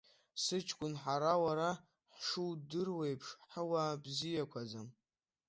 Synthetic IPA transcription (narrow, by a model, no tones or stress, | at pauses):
sɨt͡ʃʰʼkʷʼʊnħaɾawaɾa | ħʂudɨrwejpʰʂħəwabzijakʷʰad͡zam